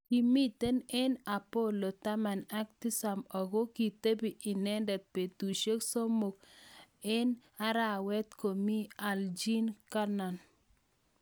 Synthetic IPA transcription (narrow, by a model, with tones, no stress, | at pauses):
ki˨mi˦t̪e˦nɛ˦na˨po˦˨lo˨t̪a˦ma˨na˦k̚t̪i˦sa˨mɔ˨ɡo˦ki˨t̪e˦bi˨ʔi˨nɛ˦ndɛ˨t̪̚pe˨t̪u˨ʃe˦kso˦mo˨k | ɛ˦na˦ɾa˦˨wɛ˦t̪ko˨mi˦a˨ld͡ʒi˦nka˦na˨n